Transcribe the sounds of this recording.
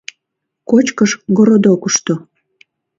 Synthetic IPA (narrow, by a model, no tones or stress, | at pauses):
kot͡ɕkəʃɡoɾod̪okuʃt̪o